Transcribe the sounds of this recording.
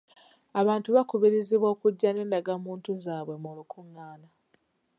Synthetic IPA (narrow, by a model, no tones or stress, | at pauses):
aβaːntuβakuβiɾiziβwo̞ːkuɟːane̞ːndaɡamuːntuzaːβwe̞mulukʰuŋːaːna